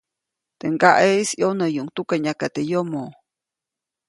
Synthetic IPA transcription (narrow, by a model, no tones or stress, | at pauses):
t̪eŋɡaʔeisjonəjuŋt̪ukaɲakat̪ejomo